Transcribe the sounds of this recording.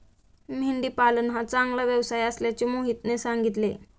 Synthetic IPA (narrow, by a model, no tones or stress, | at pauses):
m̤iɳɖ̪iːpalənɦat͡sãŋɡlaʋjəʋsajəsljat͡ɕemoɦit̪nesaŋɡit̪le